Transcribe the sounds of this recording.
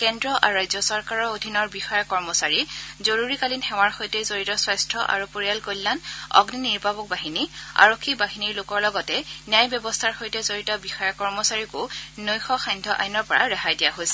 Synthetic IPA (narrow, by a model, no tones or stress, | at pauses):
kɛndɹɔʔa̰ɹɹajzjɔsɔɹkaɹɔodʱinɔɹbixɔjɔkɔɹmɔsaɹizoɹuɹikalinxɛw̃aɹxojtɛzoɹitɔswajstʰɔʔa̰ɹupoɹijalkollanɔ̰ɡniniɹbabɔk̚baɦinia̰ɹokʰːibaɦiniɹlʊkɔɹlɔɡɔtɛnjajbjɔbɔstʰaɹxojtɛzoɹitɔbixɔjɔkɔɹmɔsaɹikʊnojxɔxajndʱɔʔa̰jnɔɹpɔɹaɹaɦajdijaɦojsɛ̥